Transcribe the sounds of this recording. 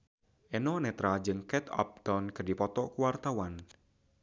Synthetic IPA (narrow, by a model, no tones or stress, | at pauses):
ʔenɔnɛt̪ɾad͡ʒɨŋkɛt̪ɔ̰p̚d̪̥ɔnkərdipɔt̪ɔkuwart̪awan